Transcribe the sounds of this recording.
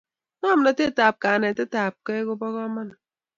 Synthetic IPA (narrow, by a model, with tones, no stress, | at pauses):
nɔ˦m˨na˨te˦˨taː˨p̚ka˨ne˨te˦ta˨p̚ke˦ko˦bɔ˦ɣɔ˦ma˦n˨